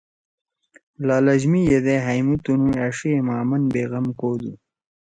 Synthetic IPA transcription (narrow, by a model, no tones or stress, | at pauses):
lɑːlɐʑmijed̪eɦajmut̪unuaːʂiemɑːmɐnbeːɣɐmkoːd̪u